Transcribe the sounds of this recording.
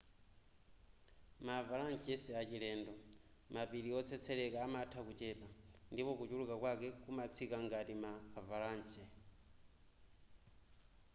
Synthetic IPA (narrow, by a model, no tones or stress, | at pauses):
mavalant͡ʃɛsɛat͡ʃilɛːndɔ | mapiɾiɔt͡sʰɛt͡sʰɛlɛkaːmatʰakut͡ʃɛːpandipɔkut͡ʃulukakwakɛkumat͡sʰikaŋɡatimaːvalaːnt͡ʃʰʼɛ